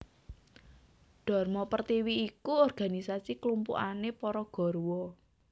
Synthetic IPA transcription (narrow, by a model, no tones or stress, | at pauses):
ɖ̥ɔ̤rmɔpərt̪iwiːkuɔrɡ̥a̤nisasiklumpṵʔa̰nepɔɾɔɡ̥ɔ̤ɾuwɔ